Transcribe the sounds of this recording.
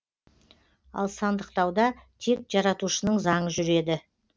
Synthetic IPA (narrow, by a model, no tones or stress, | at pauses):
ɑ̰lˠsɑnd̪əqt̪ɑwd̪ɑt̪ʰe̞k̚ʒ̥ɑɾɑt̪uʃənəɴzɑɴəʒʏɾe̞d̪ɪ